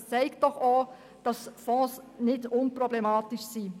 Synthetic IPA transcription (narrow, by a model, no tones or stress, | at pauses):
t͡sɛɪkt̚d̥ɔχo | d̥ɑsfɔ̃ːsnɪdʊnprɔblɛmɑːtiʃsiː